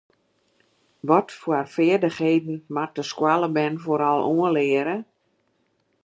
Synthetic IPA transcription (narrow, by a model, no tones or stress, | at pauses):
ʋɔtfwarfɪərdəxheːdn̩mat̚əskwalˠəbɛnfoɾalˠuənlɪːəɾə